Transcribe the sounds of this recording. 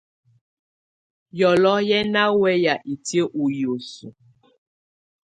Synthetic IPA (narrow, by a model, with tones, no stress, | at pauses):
jɔ˨lɔ˦jɛ˦na˦wɛ˦ja˨ʔi˨ti˦e˦ʔu˨jo˨su˨